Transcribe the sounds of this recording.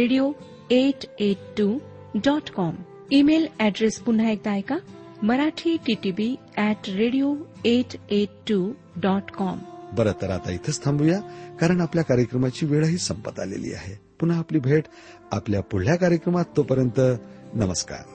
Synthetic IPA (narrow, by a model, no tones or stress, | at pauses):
ɾeɽijo | eʈeʈʈːu | ɖɔʈkɔm | imelɛɖɾespun̤aek̚d̪ajka | məɾaʈʰiʈiʈibi | ɛʈɾeɽijoeʈeʈːu | ɖɔʈkɔmbəɾət̪əɾat̪ait̪ʰəst̪ʰãmbʱujakaɾəɳ̃apljakaɾjəkɾəmat͡ɕiːʋeɭəɦiːsəmpət̪a̰lḛlḭːa̰ɦepun̤aːpliːbʱeʈ | apljapuljakaɾjəkɾəmat̪ːopəɾjənt̪ənəməska̰ɾ